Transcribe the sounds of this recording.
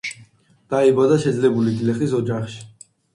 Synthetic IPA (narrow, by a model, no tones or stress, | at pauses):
d̪̥aibad̪aʃɛd̪zlɛbulid̪lɛχis̬ɔd͡ʒaχʃi̥